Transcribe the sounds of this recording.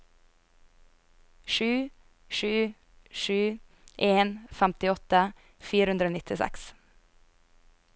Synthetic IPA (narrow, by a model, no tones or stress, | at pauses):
ʃʉː | ʃʉː | ʃʉː | ʔeːnfæmt̪ɪɔt̪ə | fiːɾəʉnd̪ɾoːnɪt̪ʰɪsæ̰ks